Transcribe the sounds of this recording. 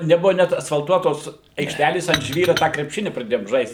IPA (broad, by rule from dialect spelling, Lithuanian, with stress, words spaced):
nʲɛˈbʊʋɐ ˈnʲɛt ɐsfɐlˠˈtuɔtoːs ɐɪkʃʲˈtʲælʲeːs ɐnt ˈʒʲʋʲiːrʊ tɑː krʲɛpʲˈʃʲɪnʲɪ prɐˈdʲeːjoːm ˈʒɐɪst